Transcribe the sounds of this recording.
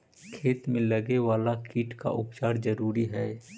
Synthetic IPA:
kʰeːt̪mẽləɡewaːlakʰiːʈka̰ʔʊpt͡ʃaːɾd͡ʒəɾuːɾiɦɛː

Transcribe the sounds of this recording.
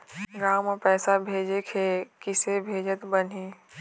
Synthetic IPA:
ɡãːwmepɛːsabʱeːd͡ʒekʰekɪsebʱeːd͡ʒət̪bɐniː

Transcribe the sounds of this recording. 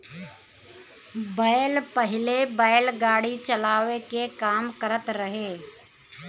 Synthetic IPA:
bəːlpəɦɪlebaɪlɡaːɽit͡ʃəlaːʋekekaːmkəɾət̪ɾəɦeː

